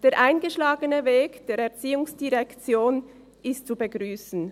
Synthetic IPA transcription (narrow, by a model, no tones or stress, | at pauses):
d̥eːɐʁʔaɪnɡəʃlaːɡənəveːkd̥eːɾɛɐʁt͡siːʊŋsd̥iʁɛkt͡sjoːn | ʔɪstt͡subəɡʁyːsn̩